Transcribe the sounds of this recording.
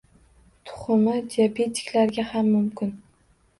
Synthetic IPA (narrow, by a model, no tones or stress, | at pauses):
t̪ʰʊ̥χʊmɪd̪iapʰet̪ʰːɪ̥kʲlaɾɡʲahamːʊmkʲɪn